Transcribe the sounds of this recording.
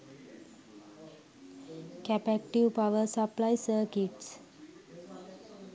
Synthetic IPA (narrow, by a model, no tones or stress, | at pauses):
kæpæk̚ʈiʋpaʋəɾsəplajsəɾkiʈs